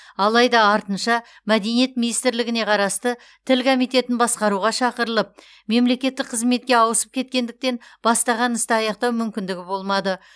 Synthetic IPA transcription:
ɑlˠɑjd̪ɑɑɾt̪ənʃɑ | mæd̪e̞nije̞t̪̚mʲinijst̪ɪɾlɪɡʲɪne̞qʰɑɾɑst̪ə | t̪ʰɪlkʰomijt̪e̞t̪ɪnbɑsqɑɾuʁɑʃɑqəɾəlˠəp̚ | me̞mle̞kʲe̞t̪ːɪkqʰəzme̞t̪̚kʲe̞ɑwəsə̥p̚kʲʰe̞t̪̚kʲe̞nd̪ɪk̚t̪e̞nb̥ɑst̪ɑʁɑnəst̪əɑjɑqt̪ɑwmʏmkʲɪnd̪ɪɡʲɪbo̞lˠmɑd̪ə

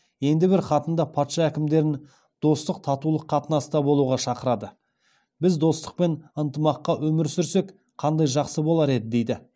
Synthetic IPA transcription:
je̞nd̪ɪbɪɾχɑt̪ənd̪ɑpʰɑt̪ʃɑækʲɪmd̪e̞ɾɪn | d̪̥o̞st̪əq̚t̪ʰɑt̪ulˠəqʰːɑt̪ənɑsd̪ɑbo̞lˠuʁɑʃɑqəɾɑd̪ə | bɪzd̪o̞st̪əq̚pe̞nənt̪əmɑqːɑwɵmɪɾsʏɾse̞k | qʰɑnd̪ɑjʒɑqsəbo̞lˠɑɾe̞d̪ɪd̪e̞jd̪ɪ

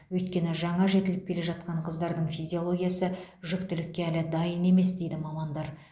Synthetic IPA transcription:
wɵjt̪̚kʲe̞nɪʒɑɴɑʒe̞t̪ɪlɪp̚kʲʰe̞le̞ʒɑt̪̚qɑɴqʰəzd̪ɑɾd̪əɴfijzʲio̞lˠo̞ɡʲijasəʒʏkt̪ɪlɪkʲːeælɪd̪ɑjəne̞me̞sd̪e̞jd̪ɪmɑmɑnd̪ɑɾ

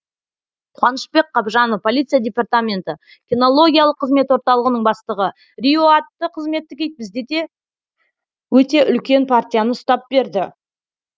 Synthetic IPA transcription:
qʰwɑnəʃbe̞kqʰːɑbʒɑnəfpʰo̞lʲijt̪sɨijadʲe̞part̪amʲe̞nt̪ə | kʲino̞lˠo̞ɡʲijalˠəqʰːəzme̞t̪wo̞ɾt̪ɑlˠəʁənəɴbɑst̪əʁə | rʲioat̪ːəqʰəzme̞t̪ːɪkʲʰe̞jt̪̚bɪzd̪ed̪e̞ | wɵt̪e̞ʔʏlkʲe̞npʰart̪ʲijanəst̪ɑp̚be̞ɾd̪ɪ

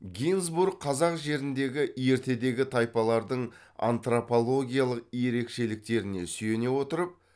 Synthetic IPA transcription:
ɡʲinzburɡ̚qʰːɑzɑqʒe̞ɾɪnd̪e̞ɡʲɪʔje̞ɾt̪e̞d̪e̞ɡʲɪt̪ʰɑjpɑlˠɑɾd̪əɴ | a̰nt̪ropo̞lˠo̞ɡʲijalˠəq̚je̞ɾe̞kʃe̞lɪk̚t̪e̞ɾɪne̞syje̞ne̞wo̞t̪əɾəp̚

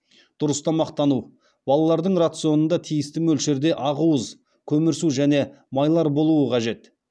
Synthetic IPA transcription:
d̪̥ʊɾəst̪ɑmɑqt̪ɑnu | bɑlˠɑlˠɑɾd̪əɴrat̪sɨo̞nənd̪ɑt̪ʰijɪst̪ɪmɵlʃeɾd̪e̞ʔɑʁuwəz | kʲʰɵmɪɾsuʒæne̞ | mɑjlˠɑɾbo̞lˠuəqʰɑʒe̞t̪

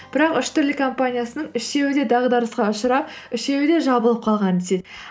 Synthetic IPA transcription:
b̥ɪɾɑqʏʃt̪ʏɾlɪkʰo̞mpanʲijasənəɴʏʃe̞wɪd̪e̞d̪ɑʁd̪ɑɾəsqɑʊʃəɾɑp̚ɪʃe̞wɪd̪e̞ʒɑbəlˠəp̚qʰɑlˠʁɑnd̪et̪ed̪

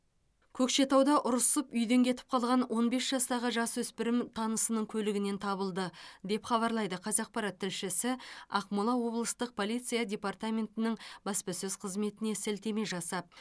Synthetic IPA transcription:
kʲʰɵkʃe̞t̪ɑwd̪ɑʔʊɾəsəpʏjd̪e̞ŋkʲʰe̞t̪ɪ̥p̚qʰɑlˠʁɑnwʔo̞nbe̞sʒ̥ɑst̪ɑʁəʒɑswɵspɪɾɪmt̪ʰɑnəsənəɴkʲʰɵlɪɡʲɪne̞nt̪ʰɑβəlˠd̪əd̪e̞pχɑβɑɾlˠɑjd̪əqʰɑzɑq̚pɑɾɑt̪ʰːɪlʃɪsɪɑqmulˠɑwo̞blˠəst̪əq̚pʰo̞lijt̪sɨijadʲe̞part̪amʲe̞nt̪ɪnɪɴbɑspɑsʏzqʰəzme̞t̪ɪne̞sɪlt̪e̞me̞ʒɑsɑp̚

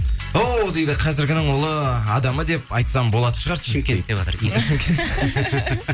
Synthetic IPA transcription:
owd̪e̞jd̪ɪqʰɑzɪɾɡʲɪnɪɴwo̞lˠəɑd̪ɑməd̪e̞p̚ɑjt̪sɑmbo̞lˠɑt̪ə̥pʃəʁɑɾsəek̪ʲet̪eβɑ̰t̪əɾenɪʃɪmkʲʰee

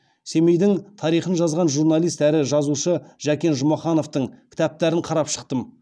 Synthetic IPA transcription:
se̞mejd̪ɪŋt̪ʰɑɾijχənʒɑzʁɑnʒuɾnɑlˠijst̪æɾɪʒɑzuʃəʒ̥ækʲe̞nʒʊmɑχɑno̞ft̪əɴkʲʰɪ̥t̪æp̚t̪æɾɪɴqʰɑɾɑpʃə̥qt̪əm

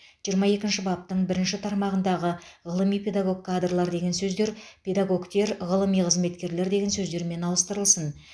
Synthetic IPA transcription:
ʒ̥ijəɾmɑje̞kʲɪnʃɪbɑp̚t̪əɴbɪɾɪnʃɪt̪ʰɑɾmɑʁənd̪ɑʁəʁəlˠəmijpʲʰe̞d̪aɡo̞k̚kʰːad̪rlˠɑɾd̪e̞ɡʲe̞nsɵzd̪e̞ɾpʰʲe̞d̪aɡo̞kt̪e̞ɾʁəlˠəmijqʰəzme̞t̪kʲe̞ɾle̞ɾd̪e̞ɡʲensɵzd̪e̞ɾme̞nɑlˠəst̪əɾəlˠsən

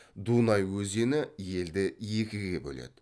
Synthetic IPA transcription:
d̪unɑjwɵzenɪje̞ld̪ɪje̞kʲɪɡʲe̞bɵ̰lḛd̪ɪ̥

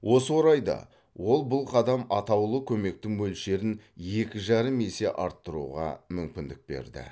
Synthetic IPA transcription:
wʔo̞səwo̞ɾɑjd̪ɑ̰ | wo̞lˠbʊlˠqʰɑd̪ɑmɑt̪ɑwlˠəkʲʰɵme̞k̚t̪ɪŋwɵlʃe̞ɾɪnje̞kʲɪʒɑɾəme̞se̞ʔɑɾt̪ːəɾṵʁɑ̰mʏmkʲɪnd̪ɪk̚be̞̰ɾd̪ɪ̰

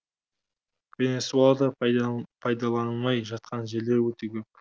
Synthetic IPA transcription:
vʲenesualˠd̪əpʰɑjd̪ɑlˠɑnmɑjʒɑt̪̚qɑnʒeɾlewɵt̪ekʲʰɵp̚

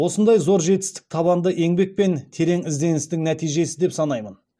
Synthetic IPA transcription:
wo̞sənd̪ɑjzo̞ɾʒe̞t̪ɪ̥st̪ɪ̥k̚t̪ʰɑβɑnd̪əʔe̞ŋbe̞k̚pe̞nt̪ʰe̞ɾe̞ŋɪzd̪e̞nɪst̪ɪŋnæt̪ijʒe̞sɪd̪e̞psɑnɑjmən

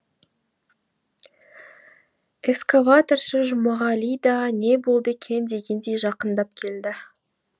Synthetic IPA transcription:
eskavat̪orʃəʒʊmɑʁɑlʲijd̪ɑne̞bo̞lˠd̪əkʲʰe̞nd̪e̞ɡʲe̞nd̪e̞jʒɑqənd̪ɑp̚kʲʰe̞ld̪ɪ

